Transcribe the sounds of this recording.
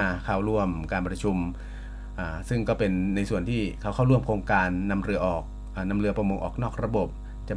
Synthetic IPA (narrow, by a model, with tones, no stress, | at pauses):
kʰa˥˩wɾu˥˩əmkaː˧npɾa˧t͡ɕʰu˧m | ʔaː˨˩sɯ˥˩ŋkɔː˥˩pe˧nːa˧jsu˨˩ənt̪ʰiː˥˩kʰa˥˩wkʰa˥˩wɾu˥˩əmkʰoː˧ŋkaː˧nːa˧mɾɯ˧ɐʔɔː˨˩k̚ | ʔaː˨˩na˧mɾɯ˧ɐpɾa˧mo˧ŋʔɔː˨˩k̚nɔː˥˩k̚ɾa˧bo˨˩p̚ | t͡ɕa˨˩